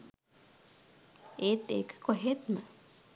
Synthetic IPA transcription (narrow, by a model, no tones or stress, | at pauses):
et̪ḛkɨ̥koɦet̪mã